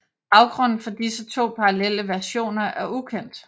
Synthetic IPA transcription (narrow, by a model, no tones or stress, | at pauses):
b̥ɑ̈ʊɡ̥ʁɔ̽n̰n̩fɒ̽d̥isət͡sʰo̝̰ːpʰɑ̈ʁɑlel̰əʋæɐɕo̝̰ːnɐʔæɐukʰen̰d̥